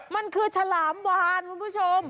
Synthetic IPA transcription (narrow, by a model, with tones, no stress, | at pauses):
ma˧nkʰɯː˧sʰa˧laː˩˦mwaː˧nkʰu˧npʰuː˦˥t͡ɕʰo˧m